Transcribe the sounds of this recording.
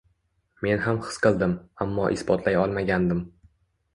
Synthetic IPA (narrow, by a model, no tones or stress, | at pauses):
me̞nhamχɨ̥sqʰɨlˠd̪ɪmamːɒʔɪsbɒt̪ʰlajɒlˠmaɡʲand̪ɪm